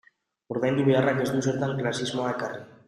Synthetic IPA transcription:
oɾðand̪iβearakezd̪useɾt̪aŋklasizmoakare

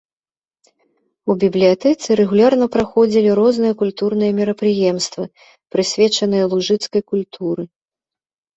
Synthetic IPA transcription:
ubʲiblʲijat̪ɛt̪sɨɾɛɣulʲarnɐpɾaxɔd͡zʲilʲiɾɔznɨjɐkulʲt̪uɾn̪ɨjɐmʲiɾɐpɾɨjɛmst̪vɨ | pɾɨsʲvʲɛt͡ʂɐnɨjɐlˠuʐɨt̪skɐjkulʲt̪ʰuɾɨ

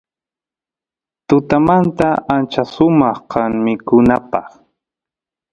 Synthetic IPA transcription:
t̪ʊt̪amant̪aant͡ʃasʊmɑχqɑŋmɪkʊnapɑχ

